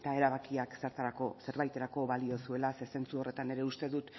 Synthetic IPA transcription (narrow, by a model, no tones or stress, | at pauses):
t̪ae̞ɾaβakiakseɾt̪aɾakose̞ɾβajt̪e̞ɾako̞βalio̞sue̞lase̞se̞nt͡suo̞re̞t̪ane̞ɾe̞ust̪e̞ðut̪